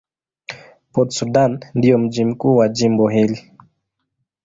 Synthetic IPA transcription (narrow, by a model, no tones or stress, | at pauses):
pɔtsudanndijɔm̩d͡ʒim̩kuːwad͡ʒimbɔɦili